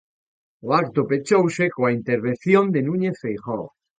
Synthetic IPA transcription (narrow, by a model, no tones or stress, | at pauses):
oakt̪opet͡ʃowsekoaint̪eɾβ̞en̟θjõnd̪enũɲeθfejχo̰